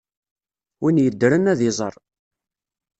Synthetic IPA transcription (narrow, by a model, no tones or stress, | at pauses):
winjəd̪ːɾənæðɪzˤəɾˤ